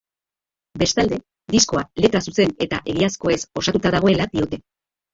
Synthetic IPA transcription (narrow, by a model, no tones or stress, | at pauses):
be̞st̪ald̪e̞ | d̪isko̞ale̞t̪ɾasuse̞ne̞t̪a̰ʔe̞ɣiasko̞e̞so̞sat̪ut̪aðaɣ̞o̞e̞lad̪iot̪e̞